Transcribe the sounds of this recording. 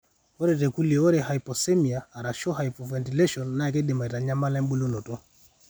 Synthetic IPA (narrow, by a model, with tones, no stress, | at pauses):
ɔ˦ɾɛ˨tɛ˨ku˦li˨ɔ˦ɾɛ˨ɦa˨jpɔ˨sɛ˦mi˨aː˨ɾa˨ʃɔ˦ɦa˨jpɔ˨vɛ˨nti˨lɛ˦ʃɔ˨nːa˦a˨k̬ɛ˦dɛ˨ma˨i˨ta˨ɲa˦ma˦lɛ˦mbu˦lɔ˦nɔ˨tɔ˦